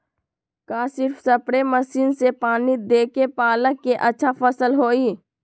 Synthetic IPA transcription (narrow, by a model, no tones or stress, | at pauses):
kaːsɪɾfsɐpɽeməsiːnsepaːnid̪eːkepaːləkːeʔɐtːʃʰafəsəlɦoːiː